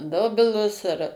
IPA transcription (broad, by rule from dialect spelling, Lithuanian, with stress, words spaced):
ˈdoːbʲɪlˠʊs ɐr